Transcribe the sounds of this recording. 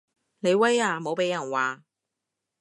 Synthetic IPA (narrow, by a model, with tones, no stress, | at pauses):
ne˨˧jwɐ˥jaː˧mo˨˧˥wpe˨˥jɐ˨˩nwaː˨